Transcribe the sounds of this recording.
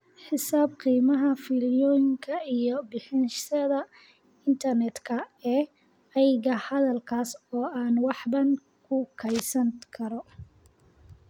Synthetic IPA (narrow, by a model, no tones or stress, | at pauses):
ħɪsaːb̚qiːmɐɦɐfɪljɔːjɪŋkʰɐijɔbɪħɪnʃɐðɐ | ɪnt̪ʰɐrnɛd̪kʰɐɛː | ɐjɣɐhɐðɐlkʰaːsɔːʔaːnwɑħbɐn | kʰʊkʰɛjsɐŋkʰɐɾɔ